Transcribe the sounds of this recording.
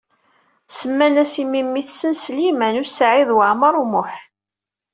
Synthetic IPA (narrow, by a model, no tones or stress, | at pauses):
səmːænæsimimːiθsənslimænusʕiðwəʕməɾˤmʊħ